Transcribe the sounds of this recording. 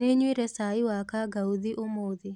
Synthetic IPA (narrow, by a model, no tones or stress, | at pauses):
eɲwiɾɛsaiwakaɡauðiʔomoði